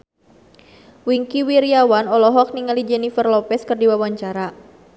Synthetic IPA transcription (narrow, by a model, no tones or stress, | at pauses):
wiŋkiwiɾiawanɔlɔɦɔk̚niŋalid͡ʒɛnifərlɔpɛskərdiwawaɲt͡ʃaɾa